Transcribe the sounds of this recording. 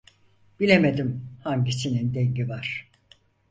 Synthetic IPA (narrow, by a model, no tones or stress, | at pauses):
b̥ilʲeme̞d̪imhaɲɟisinind̪eɲɟivaɾ̥